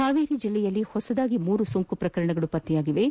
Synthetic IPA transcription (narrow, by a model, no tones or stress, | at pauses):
haːʋiːɾid͡ʒilːɛjɐlːihɔsɐd̪aːɡimuːɾusoŋkupɾɐkɐɾɐɳɐɡɐɭupɐt̪ːijaːɡiʋe̞